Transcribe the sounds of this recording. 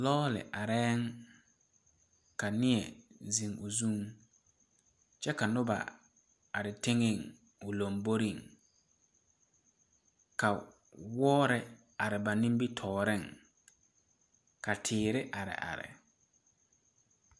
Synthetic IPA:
lɔː˦lɪ̰˨ʔa˨ɾɛː˦ŋ | ka˨nɪ˦ɛ˨zi˨ŋʊ˨zũ˦˨ŋ | t͡ʃɛ˦ka˨nʊ˦ba̰˨ | a˨ɾɪ˨tɪ˦ŋɪ˦˨ŋ | ʊ˨lo˨mbo˦ɾi˦˨ŋ | ka˨ | wɔː˦ɾɪ˨ | a˨ɾɪ˨ba˨nĩ˦mbi˦tʰɔː˨ɾɪ˦˨ŋ | ka˨tʰɪː˨ɾɪ˦ʔa˨ɾɪ̰˨ʔa̰˨ɾɪ̰˨

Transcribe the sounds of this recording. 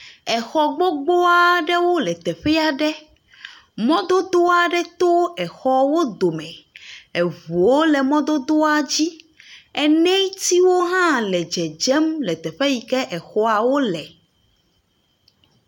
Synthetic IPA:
ɛ˨xɔ˨ɡ͡bo˦ɡ͡bo˦a˨ɖɛ˦wo˦lɛ˨t̪ɛ˨ɸɛ˦a˨ɖɛ˦ | mɔ̃˦d̪o˦d̪o˦a˨ɖɛ˦t̪o˦ɛ˨xɔ˦wo˦d̪o˨mɛ̃˨ɛ˨vu˨wo˦lɛ˨mɔ̃˦d̪o˦d̪o˦a˨d͡ʑi˦ | ɛ˨nɛ̃˦t̪i˦wo˦ɦã˦lɛ˨d͡ʒɛ˨d͡ʒɛ˦mlɛ˨t̪ɛ˨ɸɛ˦ji˨kɛ˦ʔɛ˨xɔ˦a˨wo˦lɛ˨

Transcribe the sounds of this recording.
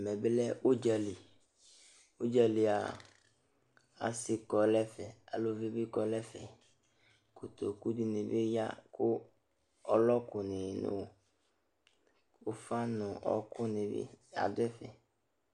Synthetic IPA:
mɛ̃˨be˦lɛ˦wo˦d͡ʒa˨li˨ | wo˦d͡ʒa˨li˨a̰˨ | a̰˨sɪ˨kɔ˨lɛ˦fɛ˨a̰˨lo˦ve˦bi˦kɔ˨lɛ˦fɛ˨ | ku˨t̪o˨ku˦di˨nɪ̃˨be˦ja̰˦kʊ˦ | ɔ˦lɔ˦kʊ˨nɪ˨nʊ̰̃˦˨ | o˦fa˦nʊ̃˨ɔ̰˦kʊ˦nɪ̃˨bḛ˦a̰˨d̪ʊ˦ɛ˦fɛ˨

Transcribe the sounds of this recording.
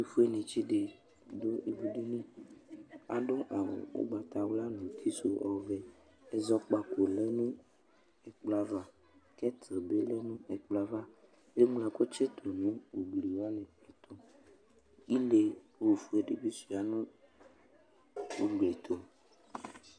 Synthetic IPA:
i˨fu˦e˦nẽ˨t͡ʃi˦ɖe˨ | do˦e˨bu˨ɖe˦nĩ˦ | a̰˨ɖo˦ʔa˨wo̰˨wo̰˦ɡ͡ba˨t̪a˨wla˦nũ˨t̪ʰi˦so˨ɔ˨vɛ˨ | e˦zɔ˦k͡pa˨ko˨le˦nũ˦ | e˨k͡pla˦va˨ | kɛ˦t̪ʰɾe˨be˦le˦nũ˦e˨k͡pla˦va˦ | e˦mla˨ko˦t͡ʃe˦t̪ʰo˨nũ˦wo˨ɡ͡bli˨wa˦nɛ̃˨e˨t̪o˨ | i˦le˨wo˨fu˦e˨ɖe˦bi˦su˨a˨nũ˦ | wo˨ɡ͡ble˨t̪ʰo˨

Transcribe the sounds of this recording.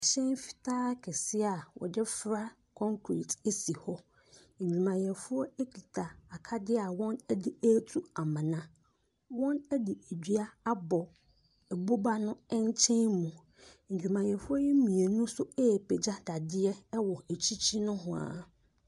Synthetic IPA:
ɕɛ̃˦n˦fi̥˨tʰaː˦kʰɛ˨sɪ˦a˨wɔ̰˨dɛ˦fɾa˦ | kʰɔ̃˦ŋkʰɾḭ˨te˦si˨hɔ˦ | ɲ̩˨d͡ʑᶣu˨mã˨jɛ˨fʊ˦ɔ˦e˦kʰi˨tʰa˨a˨kʰa˦dɪ˦a˨wɔ̃˦nɛ˦di˨æ˦tʰu˦a˨mã˨nã˦ | wɔ̃˦nɛ˦di˨di˦a˦a˦bɔ˨ | ɛ˨bo˦ba˦nʊ̃˦ɛ˦ɲ˦t͡ɕʰɛ̃˦nmːũ˨ | ɲ̩˨d͡ʑᶣu˨mã˨jɛ˨fʊ˦ɔ˦jɛ˦mĩ˨e˨nũ˦sʊ˦ɛː˦˨pʰɛ˨d͡ʑa˦da˨dɪ˦ɛ˦wɔ˨æ˨t͡ɕʰi˦t͡ɕʰi˦nʊ̃˦ɦʊ̃˨a̰˨

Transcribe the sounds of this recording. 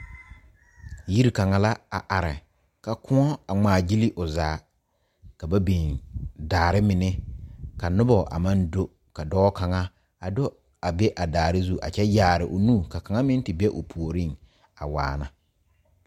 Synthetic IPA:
ji˦ɾi˨ka˨ŋa˨la˦a̰˨ʔa˨ɾɪ̰˨ | ka˨kʰʊ̃˦ɔ˦a˨ŋ͡maː˨d͡ʒi˦li˦ʔʊ˨zaː˨˦ | ka˨ba˦bi˨ndaː˨ɾɪ˦mɪ˨nɛ˦ka˨nʊ˦bɔ˨ʔa̰˨mã˦ndo˦ | ka˨dɔː˦ka˨ŋa˦ | a˨dʊ˦ | a˨bɛ˦ʔa˨daː˨ɾɪ˦zu˦ʔa̰˨t͡ʃɛ˦jaː˨ɾɪ˨ʔʊ˨nũː˦˨ka˨ka˨ŋa˦mɪ̃˦n˦tɪ˨bɛ˦ʔʊ˨pʰu˨o˨ɾi˦˨ŋ | a̰˨wa̰ː˨na˨

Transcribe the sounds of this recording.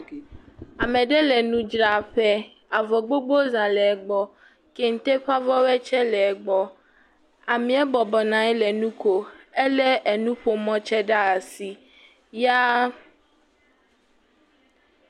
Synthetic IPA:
a˨mɛ̃˨ɖɛ˦lɛ˨nũ˦d͡ʒɾa˨ɸɛ˦ | a˨vɔ˨ɡ͡bo˦ɡ͡bo˦zã˨lɛ˨ɡ͡bɔ˦ | kɛ˦ŋ̩˦t̪e˦ɸa˦vɔ˦wɛ˦t͡ʃɛ˦lɛ˨ɡ͡bɔ˨ | a˨mĩ˨ɛ˦bɔ˨bɔ˨nã˨ɛ˦lɛ˨nũ˦ko˦e˦lɛ˦ʔe˨nũ˦ɸo˦mɔ̃˦t͡ʃɛ˦ɖa˦a˨si˨ | ja˦

